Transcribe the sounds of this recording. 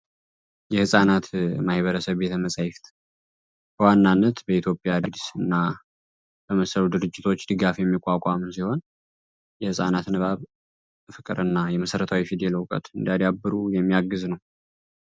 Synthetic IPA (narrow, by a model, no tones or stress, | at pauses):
jɛhɨsʼanat̪mahβəɾəsəβbet̪məsʼajɪft̪ʼ | b̥əwanːanːət̪bəit̪ʰjo̞pʼjad̪d̪sɨnːa | b̥əməsəlud̪ɨɾɨd͡ʒːɪt̪ʰo̞t͡ʃːd̪ɨɡafjɛmːikʼːakʷʼamsiho̞n | jɛhɨsʼa̰nat̪nɨβaβ | fɨkʼːɨ̰ɾɨnːajɛməsəɾət̪ʰawifid̪eləwkʼə̰t̪ɨnd̪ad̪abːɨɾujɛmːijaɡːɨznəw